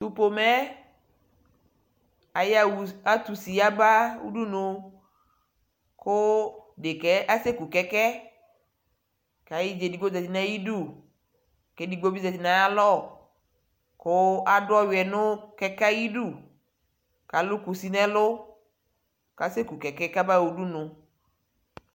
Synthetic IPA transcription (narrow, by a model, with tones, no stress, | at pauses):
tu˦po˨mɛ˦ | a˨ja˨wu˨a˦t̪u˨si˨a˦ba˦wṵ˦du˦no˨ | kʊ˦de˨kɛ˦a˦se˦ku˨kɛ˦kɛ˦ | ka˨ji˦d͡ʒe˨di˨ɡ͡bo˦za˨ti˨na˦ji˦du˦˨ | ke˦di˨ɡ͡bo˦bi˦za˨ti˨nã˨a˦lɔ˦˨ | kʊ˦a˦ɖʊ˦ɔ˦wɛ˨nʊ̃˦kɛ˦ka˦ji˦ɖu˦˨ | ka˨lʊ˦ku˨si˦nɛ̃˦lʊ˦ | ka˨se˦ku˨kɛ˨kɛ˦ka˦ba˦wu˨du˦nʊ̃˨